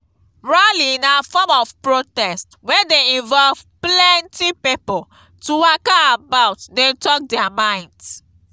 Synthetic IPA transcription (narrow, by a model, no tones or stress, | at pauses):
ɹaliĩnafɔmɔvpɹotɛstwɛ̃deĩnvɔlvplɛ̃ntipipɔl | tuwakaːbaʊtdetɔk̚dɛamãɪ̃nds